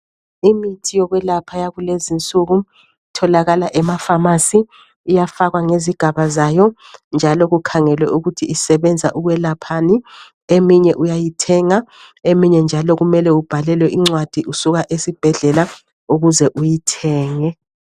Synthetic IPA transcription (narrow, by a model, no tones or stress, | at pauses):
imitʰijɔɣwɛlapʰajaɣulezint͡sʼuɣu | tʰɔlaɣalaʔɛmafamasiː | jafaɣwaŋeziɡ̥ʱaβazajɔ | nd͡ʒʱalɔɣukʰaŋɛlwɛʔuɣutʰiːsɛβɛnd͡zʱaʔuɣwɛlapʰani | emiɲɛʔujajitʰɛŋa | emiɲɛnd͡ʒʱalɔɣumɛlɛub̥ʱalɛlwɛʔiŋ͡ǀwad̥ʱiʔusuɣaʔesib̥ʱɛɮɛla | uɣuzɛʔujitʰɛːŋɛ